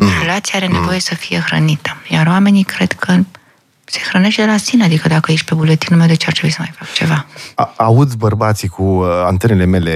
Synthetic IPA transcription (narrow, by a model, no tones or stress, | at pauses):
polat̪sijaaɾe̞ne̞vo̞je̞səfije̞xɾə̰nit̪əjaɾwame̞nikɾe̞d̪̥kʰə | se̞̥xɾəne̞ʃt̪̚d̪elasinead̪ikəd̪akəje̞ʃt̪̚ʲpe̞bule̞t̪inumed̪et͡ʃart̪ɾebujisəmajfakt͡ʃe̞vaaud̪sʲbərbat̪sikuant̪enele̞me̞le